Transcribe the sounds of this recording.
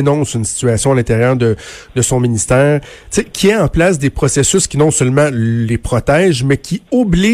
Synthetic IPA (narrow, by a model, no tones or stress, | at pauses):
nɔ̃synsi̥t͡syasjɔ̃alɛ̃t̪eʁjœːʁd̪ə | d̪əsɔ̃minist̪ɛːʁt̪sekʲʰiɛɑ̃plasd̪epχɔsesʏskʲinɔ̃sœlmɑ̃lepχɔt̪ɛːʒmɛkʲʰiubli